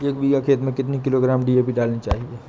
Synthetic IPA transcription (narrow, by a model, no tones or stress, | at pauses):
eːkbiɡakʰeːt̪mẽkɪt̪nikɪloɡɾaːmɖiepiɖaːlnit͡ʃa̰ːɦieː